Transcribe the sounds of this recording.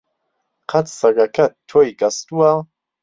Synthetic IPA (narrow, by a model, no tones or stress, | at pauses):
qʰat͡ssaɡakʰat̪̚t̪ʰːɔjɡast̪ua